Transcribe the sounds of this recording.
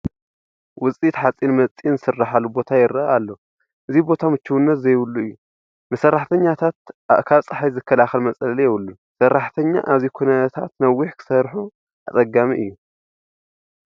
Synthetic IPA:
wʊt͡sʼit̪ħat͡sʼinmɐt͡sʼinɨsɨrːaħalubo̞t̪ʰajɪɾɐaalːo | ʔɨzibo̞t̪ʰamɨt͡ʃːuwunːɐt̪zɐjwʊlːuɨjːu | mɨsɐrːaħt̪ʰɐɲːat̪ʰat̪ʔa̰ʔkʰalt͡sʼɨħajzɨkʰːɐlaxɐlmɐt͡sʼɐllijɛwɨlːu | sɐrːaħt̪ʰɐɲːa̰ʔaβzikʰunɐt̪ʰa̰t̪nɐwːiħkʰɨ̥sɐɾħu | ʔat͡sʼɐɡamiʔɨjːu

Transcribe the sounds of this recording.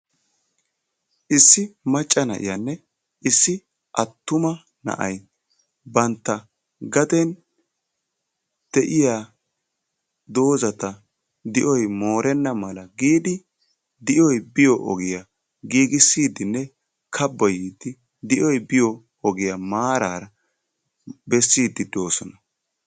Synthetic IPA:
ʔɪsːɪmɐt͡ʃʼːɐnɐ̰ʔɪ̰janːɛ | ʔɪsːɪ | ʔɐt̪ːʊmɐ | nɐ̰ʔɐj | bɐnt̪ːɐ | ɡɐt̪ɛn | d̪̥ɛʔɪjaː | d̪o̞ːzɐt̪ɐ | d̪ɪʔɔjmo̞ːɾɛnːɐmɐlɐɡiːd̪ɪ | d̪ɪʔɔjbɪjɔʔɔ̰ɡɪja | ɡiːɡɪsːiːd̪ɪnːɛ | kʰɐbːɔjiːd̪ɪ | d̪ɪʔɔjbɪjɔ | ɔɡɪjamaːɾaːɾɐ | bɛsːiːd̪ːɪd̪o̞ːsɔnɐ

